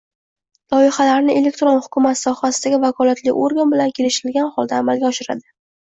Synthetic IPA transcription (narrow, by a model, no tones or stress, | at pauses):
lˠɒɪχalaɾnɪʔe̞le̞k̚ʲt̪ɾonhʊkʰʲʊmat̪sɒhasɪd̪aɡʲɪvakʰɒlˠat̪lɪoɾɡanbɪlankʲʰe̞lɪʃɪɪlɡʲanχɒlˠd̪aːmalɡʲaɒʃɪɾa̰d̪ɪ